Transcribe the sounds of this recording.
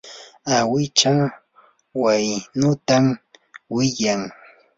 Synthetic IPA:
awɪt͡ʃa | wajnʊt̪amwɪjaŋ

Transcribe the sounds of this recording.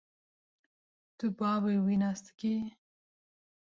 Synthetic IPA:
t̪ubɑwewinast̪ki

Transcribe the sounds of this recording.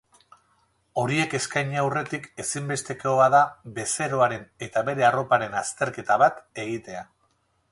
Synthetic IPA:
o̞ɾie̞ke̞skajɲawre̞t̪ike̞simbe̞st̪e̞keoaðaβe̞se̞ɾo̞aɾe̞ne̞t̪aβe̞ɾe̞aro̞paɾe̞nast̪e̞ɾke̞t̪aβat̪e̞ɣit̪e̞a

